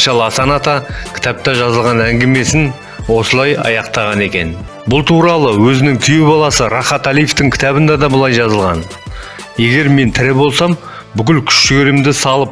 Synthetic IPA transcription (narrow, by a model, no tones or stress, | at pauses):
ʃɑlˠəsɑnɑt̪ɑkʲʰɪ̥t̪ɑp̚t̪ɑʒɑzəlˠʁɑnæŋɡʲeme̞sɪn | wo̞səlˠɑjɑ̰jɑqt̪ɑʁɑne̞kʲe̞̰n | bʊlˠt̪ʰuɾɑlˠəwɵzɪnɪŋt̪ʰijubɑlˠɑsəɾɑχɑt̪ɑlijeft̪ɪŋkʲʰɪ̥t̪æβɪnd̪ɑd̪ɑbəlˠɑjʒɑzəlˠʁɑ̰n | je̞ɡʲe̞ɾme̞nt̪ʰɪɾɪbo̞lˠsɑm | bʏk̬ʲɪlkʲʰʏ̥ʃʃɡʲe̞ɾɪmd̪ɪsɑlˠəp̚